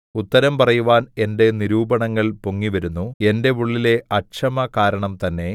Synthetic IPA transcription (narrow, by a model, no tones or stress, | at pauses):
ut̪ːɐɾɐmpɐrɐjuʋaːne̞nde̞niɾuːbɐɳɐŋːɐɭpoŋːiʋɐɾunːue̞nde̞ʋuɭːile̞ʔɐɕɐmɐkaːɾɐɳɐmt̪ɐnːe̞